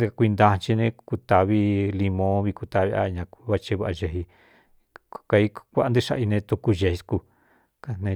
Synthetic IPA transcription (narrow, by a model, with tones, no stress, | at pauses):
kʷi˧nd̪ã˧t͡ʃi˧nẽ˧˦ku˧t̪a˧βi˦li˧mõ˧˦βi˧ku˧t̪a˧βi˧ʔa˦˧ɲã˧ku˧βa˦˧t͡ʃe˧βa˧a˧ʒe˧˨ɦi˧ | ka˧i˧˦kʷa˦ʔa˧nd̪i˦ʃa̰˧ʔi˧nẽ˧t̪u˧ku˧ʒe˨hsku˧ | ka˧nẽ˧